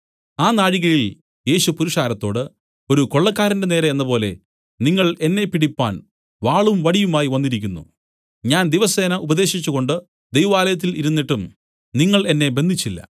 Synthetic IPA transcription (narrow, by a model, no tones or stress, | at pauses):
aːnaːɻiɣɐɭil | je̞ːɕupuɾuʂaːɾɐt̪ːo̞ːɽɨ | o̞ɾukoɭːɐkːaːɾɐndene̞ːɾɐenːɐpo̞ːle̞ | niŋːɐɭe̞nːe̞pːiɽipːaːn | ʋaːɭumʋɐɽijumaːjiʋɐnːiɾikʲːunːṵ | ɲaːnd̪iʋɐse̞ːnɐʔubɐd̪e̞ːɕit͡ɕːuɣo̞ɳɖɨ | d̪ejʋaːlɐjɐt̪̬ːiliɾunːiʈːum | niŋːɐɭe̞nːe̞be̞nd̪ʱit͡ɕːilːɐ̰